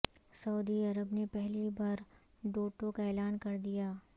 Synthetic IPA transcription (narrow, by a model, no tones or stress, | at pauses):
sɐud̪iɐɾəbnepɛɦlibaːɾ | ɖoːʈõkaeːlaːnkɐɾd̪ijaː